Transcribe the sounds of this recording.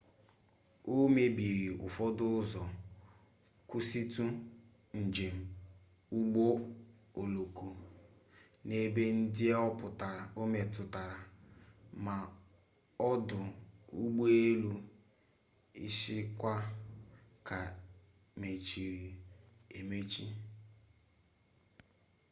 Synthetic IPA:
o˦me˦bi˨ɾi˨ʊ̰˨fɔ˦dʊ˦zɔ˨ | kʊ˦si˦tu˦ | n̩˨d͡ʒe˨m̩˨ | u˦ɡ͡bo˦o˨lo˨ku˨ | ne˦be˦n̩˦dɪ˦ɔ˦pʊ˨ta˨ɾa˨o˦me˨tʊ˨ta˨ɾa˨ | ma˨ | ɔ˦dʊ˨u˦ɡ͡bo˦e˦lu˦ | ḭ˦ʃɪ˦kʷa˦ | ka˨ | me˨t͡ʃi˨ɾi˨e˨me˦t͡ʃi˦

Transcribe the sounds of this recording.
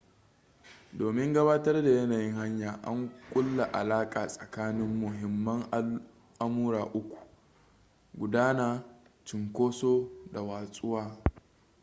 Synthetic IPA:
doː˨mɪ˦ŋɡɐ˦baː˦tɐ˦rda˨jɐ˦naː˨jɪ˦ŋha˦ɲjaː˨ʔa̰˦ŋkʷʼʊ˦lːa˨ʔa̰˨laː˦kʼaː˨sʼɐ˨kaː˦nɪ˦mːʊ˨ɦɪ˨mːɐ˦ŋ | ʔa˦muː˦ɾaː˨ʔʊ˦kʷu̥˨ | ɡʷʊ˨daː˦naː˨ | t͡ʃɪ˨ŋkʷoː˦soː˦da˨waː˨sʼʊ˦waː˦

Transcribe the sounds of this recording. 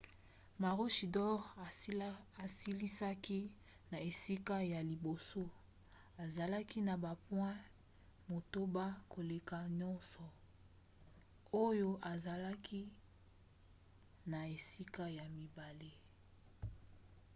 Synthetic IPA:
ma˨ʁo˦ʃi˨dɔ˦ʁ | a˨si˦li˦sa˦ki˦ | na˨e˨si˦ka˦ja˨li˨bo˨so˦ | a˨za˨la˦ki˦na˨ba˨pwɛ̃˦ | mo˨to˦ba˦ko˨le˨ka˨ɲɔ˦nsɔ˨ | o˦jo˦ʔa˨za˨la˦kʰi˦ | na˨e˨si˦ka˦ja˨mi˨ba˨le˦

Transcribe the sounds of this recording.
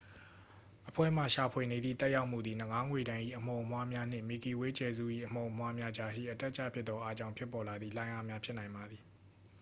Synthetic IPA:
ʔəpʰwɛ̰˦˨m̥a˨ʃa˨pʰwe˨ne˨d̪ðḭ˦˨t̪ɛ˦ʔja˦ʊʔm̥ṵ˦˨d̪i˨n̥ə˨ŋa˦ŋwe˨ɾã˨ɪ̃ʔḭ˦˨ʔəm̥õ˨ʊʔəmwa˦mja˦n̥ɪ̰̃˦˨mi˨ki˨we˦t͡ɕɛ˨zṵ˦˨ʔḭ˦˨ʔəm̥õ˨ʔmwa˦mja˦d͡ʑa˨ʃḭ˦˨ʔətɛ˦ʔt͡ɕʰä̰˦˨pʰjɪ˦t̪t̪ɔ˦ʔa˦t͡ɕã˦ʊ̃pʰjɪ˦pːɔ˨la˨d̪ði˦˨lã˦ɪ̃ʔa˦mja˦pʰjɪ˦ʔnã˨ɪ̃mba˨d̪ði˨

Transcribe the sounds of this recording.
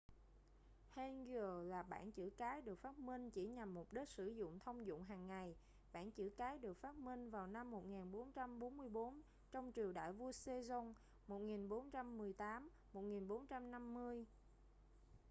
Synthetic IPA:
hɛ˧nɣəː˨˩laː˨˩ɓa̰ː˧˩nt͡ɕɨ̰˧˩kaː˨˦jɗɨ˨˩ək̚faː˦˥t̚mï˧ŋ̟t͡ɕi˧˩ɲa˨˩mːʊ˨˩k͡p̚ɗi˦˥t̚sɨ˧˩zʊ̰˧˨ŋ͡mt̪ʰə˧wŋ͡mzʊ̰˧˨ŋ͡mɦaː˨˩ŋːa˨˩j | ɓa̰ː˧˩˨nt͡ɕɨ̰˧˩kaː˨˦jɗɨ˨˩ək̚faː˦˥t̚mï˧ŋ̟vaː˨˩wna˧mːo˨˩t̚ŋaː˨˩nɓo˨˦nt͡ɕa˧mɓo˨˦nmɨ˧əjɓo˨˦n | t͡ɕɔ˧wŋ͡mt͡ɕi˨˩əwɗa̰ː˧˨jvu˧əse˧zɔ˧n | mo˨˩t̚ŋi˨˩nɓo˨˦nt͡ɕa˧mːɨ˨˩əjt̪aː˨˦m | mo˨˩t̚ŋi˨˩nɓo˨˦nt͡ɕa˧mna˧mːɨ˧əj

